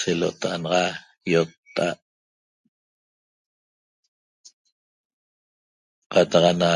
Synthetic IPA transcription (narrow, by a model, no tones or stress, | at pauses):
selo̰ʔt̪ɑʔɑnʁɑ | jot̪ːa̰ʔ | qɑt̪ɑqɑna